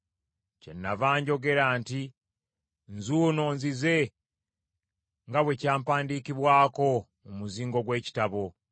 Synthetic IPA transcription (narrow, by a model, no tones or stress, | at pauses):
ce̞̰nːavaːɲɟo̞ɡe̞ɾaːnti | nzuːno̞ːnzize̞ | ŋɡaβwe̞caːmpaːndikiβwaːko̞ | umuziːŋɡo̞ɡwe̞ːci̥taβo̞